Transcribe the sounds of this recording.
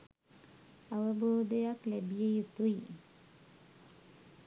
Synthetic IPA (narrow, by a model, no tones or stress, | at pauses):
aʋəboːd̪əjaklæbijejut̪uji